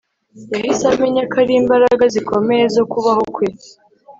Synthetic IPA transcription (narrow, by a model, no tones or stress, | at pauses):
jahisameɲakʰaɾiːmbaɾaɡaziko̞meɾezo̞kuβaho̞kwe